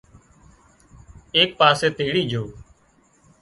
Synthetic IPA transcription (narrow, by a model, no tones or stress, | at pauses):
eːk̚paːseːt̪eːɽiːd͡ʒʱoː